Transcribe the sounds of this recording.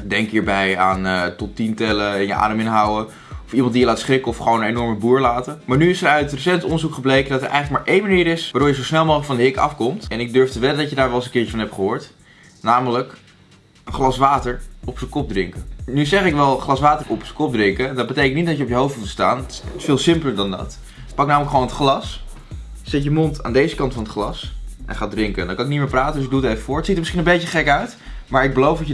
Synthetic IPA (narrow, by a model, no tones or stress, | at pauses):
dɛŋkɦiːɹbɛjaːnətɔtintɛləɛnjəʔa̰ːdəmɪnɦɑwə | ɔfimɑntdijəlaːtsχrɪkəɔfχəʋownənejnɔɹməbuːɹlaːtəmaːɹnyɪsəɾœɥtrəsɛntɔndəɹzukχəblejkəndɑtəɹʔɛ̰jχələk̚maːɹʔejnmaniːɾɪsʋaɾʊɹjəzowsnɛlˠmowxχləkfɑndəɦɪkɑ̰fkɔmtɛnɪɡ̚døɹftəʋɛlədɑtjədaːɹʋɛlˠsəŋkɪːɹt͡ʃəfɑnɦɛptχəɦʊːɹt | naːmələk | əχlɑsʋaːtəɹɔpsəkɔb̚drɪŋkənyzɛχɪkʋɛlˠχlɑsʋaːtəɹɔpsə̥kɔp̚drɪŋkədɑd̚bətejkəntnitdɑtcjəɔpjəɦowftmutsta̰ːnətɪ̥ɪsfɪːlˠsɪmpələɹdɑndɑ̰t | pɑk̚naːmələkχʋownətχlɑs | sɛtjəmonta̰ːndejzəkɑntfɑnətχlɑsʔɛ̰nχaːdrɪŋkəndɑkɑnɪknitmɪːɹpraːtəndøs̬ɪɡ̚duətejvəfʊːɹtsitəɹmɪsχinəmbejtəχɛkœɥt | maːɹɪɡ̚bəlowfdɑə